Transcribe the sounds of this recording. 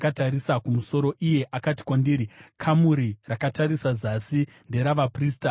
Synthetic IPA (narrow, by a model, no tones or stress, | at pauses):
kataɾisakumuso̞ɾo̞ʔije̞ʔakati̥kwandiːɾikʰamuɾirakataɾisazasinde̞ɾaʋapriːsta